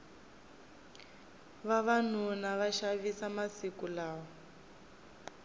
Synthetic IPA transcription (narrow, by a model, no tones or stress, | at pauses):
βaβan̤unaβaʃaβisamasikulaːɔ